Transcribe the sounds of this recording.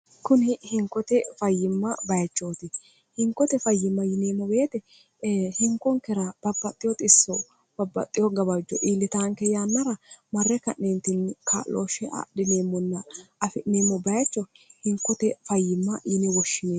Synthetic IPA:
kʊnɪhɪŋkːɔt̪ɛfɐjːɪmːɐbɐjɐt͡ʃːoːt̪ɪ | hɪŋkːɔt̪ɛfɐjːɪmːɐjɪneːmːɔbeːt̪ɛ | hɪŋkːɔŋkɛɾɐb̥ɐbːɐt̪ʼːɪjɔt̪ʼɪsːɔ | b̥ɐbːɐ̰t̪ʼːɪjɔɡɐβɐd͡ʒɔ̰ʔiːlːɪt̪aːŋkɛjanːɐɾɐmɐrːɛkɐʔent̪ɪnkʰa̰ːlo̰ːʃɛʔa̰ɗɪneːmːɔnːɐʔɐfɪʔneːmːɔbɐjɐt͡ʃːɔhɪŋkːɔt̪ɛfɐjːɪmːɐjɪnɛwɔʃːɪneː

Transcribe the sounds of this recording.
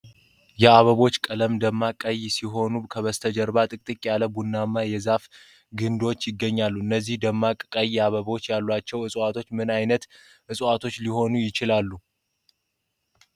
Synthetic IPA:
jɛaβəβo̞t͡ʃːkʼələmd̪əmːakʼəjsiɦo̞nukʰəβəst̪ʰəd͡ʒəɾbat̪ʼɨkʼt̪ʼɨkʼjaləbunːamːajɛzaf | ɡɨnd̪o̞t͡ʃːjɪɡːəɲːalːuɨnːəzːihd̪əmːakʼkʼəjɛaβəβo̞t͡ʃːjalːwat͡ʃːɛwɨsʼat̪ʰo̞t͡ʃːmɨnajnət̪ | ʔɨsʼat̪ʰo̞t͡ʃːliɦo̞nujɪt͡ʃɪlalːu

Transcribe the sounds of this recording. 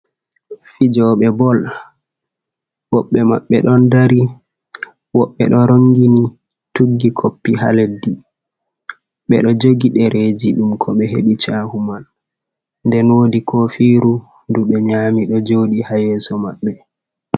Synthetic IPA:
fid͡ʒɔɓɛbɔl | wɔɓːɛma̰ɓːɛ̰ɗɔndaɾi | wɔɓːɛ̰ɗɔɾoŋɡini | tuɡːikʰopːiɦa̰ledːi | ɓɛ̰ɗɔd͡ʒoɡiɗɛɾʔed͡ʒiɗumkʰɔɓɛɦḛɓit͡ʃahumal | ndɛnwoːdikɔfiːɾu | nduɓɛɲaːmiɗɔd͡ʒoɗihajɛːsɔmaɓːɛ

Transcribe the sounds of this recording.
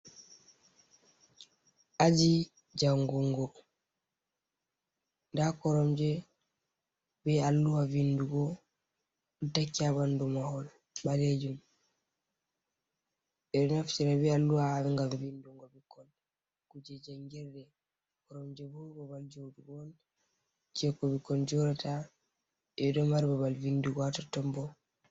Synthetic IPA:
ʔad͡ʒi | d͡ʒaŋɡuŋɡɔ | ndakɔɾɔmd͡ʒɛ | bɛalːuwavinduɡɔ | dakːiaβandumahɔl | ɓaled͡ʒum | ɛɾnaft͡ʃɛɾɛbɛalːuwaawɛŋɡamvinduŋɡɔbikːɔn | kud͡ʒɛd͡ʒɛŋɡɛɾdɛ | kɔɾɔmd͡ʒɛbubabald͡ʒoduɡɔn | d͡ʒɛkɔbikɔnd͡ʒɔɾɛta | ɛdɔmaɾibaβalvinduɡɔatatːɔmbɔ

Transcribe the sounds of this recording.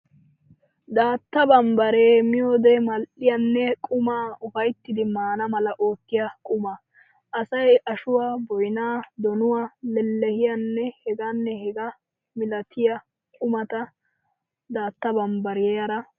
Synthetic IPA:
d̪aːt̪ːɐbɐmbɐɾeːmɪjoːd̪ɛmɐlʔɪjɐnːɛkʼʊmaːɔfɐjt̪ːɪd̪ɪmaːnɐmɐlɐʔo̞ːt̪ːɪjɐkʼʊma | ʔɐsɐjʔɐʃʊwaːbɔjɪnaːd̪ɔnʊwaːlɛlːɛhɪjɐnːɛhɛɡaːnːɛhɛɡɐ | mɪlɐt̪ʰɪjɐ | kʼʊmɐt̪ɐ | d̪aːt̪ːɐbɐmbɐɾɪjɛjɐɾɐ

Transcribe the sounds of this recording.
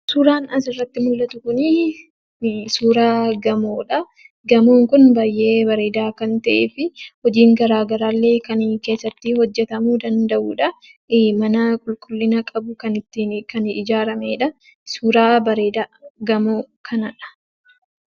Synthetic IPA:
suːɾaːnɐsɪrːɐt̪ːɪmʊlːɐt̪ʊkʊnɪ | suːɾaːɡɐmoːᶑɐ | ɡɐmoːŋkʊnbaːjʔe̞ːbɐɾe̞ːd̪aːkɐnt̪ɐʔeːfɪhɔd͡ʒiːŋɡɐɾaːɡɐɾaːlːe̞ːkɐnke̞ːsːɐt̪ːɪhɔd͡ʒːɛt̪ɐmuːd̪ɐnd̪ɐʔuːᶑɐ | mɐnɐkʼʊlkʼʊlːɪnɐkʼɐbʊkɐnɪt̪ːɪkɐnɪd͡ʒaːɾɐmeːᶑɐ | suːɾaːbɐɾe̞ːd̪aːɡɐmoː | kʰɐnɐᶑɐ̥

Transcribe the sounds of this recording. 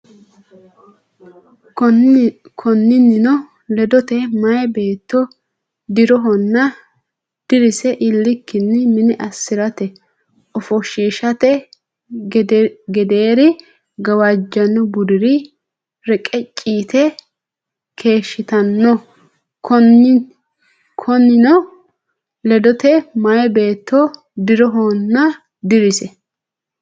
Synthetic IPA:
kʰɔnːɪnɪnɔ | lɛd̪ɔt̪ɛmɐjbe̞ːt̪ːɔ | d̪ɪɾɔɦɔnːɐ | d̪̥ɪɾɪsɛʔɪlːɪkːɪnːɪmɪnɪʔɐsːɪɾɐt̪ɛ | ɔfɔʃiːʃɐt̪ɛ | ɡɛd̪eːɾɪ | ɡɐwad͡ʒːɐnːɔbʊd̪ɪɾɪ | ɾɛkʼɛt͡ʃʼːiːt̪ɛ | kʰe̞ːʃːɪt̪ɐnːɔ | kʰɔn | kʰɔnːɪnɔ | lɛd̪ɔt̪ɛmɐjɛbe̞ːt̪ːɔ | d̪ɪɾɔɦonːɐ | d̪ɪɾɪsɛ

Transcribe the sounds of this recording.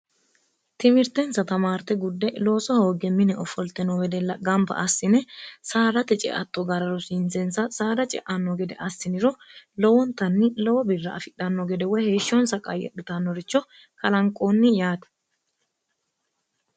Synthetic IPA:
t̪ɪmɪɾt̪ɛnsɐt̪ɐmaːɾt̪ɛɡʊd̪ːɛlo̞ːsɐho̞ːɡɛmɪnɛɔfɔlt̪ɛnɔɡɛd̪ɛlɐɡɐmbɐ̰ʔɐsːɪnɛsaːɾɐt̪ːɛt͡ʃʼɛ̰ʔɐt̪ːɔɡɐɾɐɾɔsɪnt͡sɛnsɐsaːd̪ɐt͡ʃʼɛ̰ʔɐnːɔɡɛd̪ɛ̰ʔɐsːɪnɪɾɔlɔwɔnt̪ɐnːɪlɔwɔbɪrːɐɐfɪᶑɐnːɔɡɛd̪ɛwɔjheːʃːɔnsɐkʼɐ̰jːɛ̰ɗɪt̪ɐnːɔɾɪt͡ʃːɔ | kɐlɐŋkʼːoːnːɪjaːt̪ɐ̥

